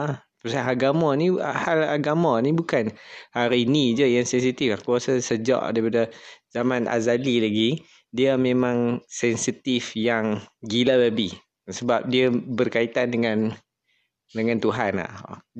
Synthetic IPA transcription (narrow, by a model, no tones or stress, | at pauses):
apəsaɦalɡamɔnihalaɡamɔnibukanhaɾiːnid͡ʒəjaŋsɛnsit̪iflahkuasasəd͡ʒa̰ʔdaipadəzamanʔa̰zalilaɡi | diəmẽmãŋsɛnsit̪ifjaŋɡilaləbih | səbap̚diəbərkait̪andəŋan | dəŋant̪uɦana̰h